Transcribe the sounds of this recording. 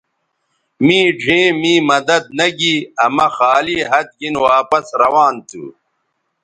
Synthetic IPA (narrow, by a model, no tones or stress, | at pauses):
mĩːɖʱẽːmiːmɐd̪ɐd̪̚nɐɡiɐmɐxaːliːɦɐt̪̚ɡinwaːpɐsɾɐwaːnt̪ṵ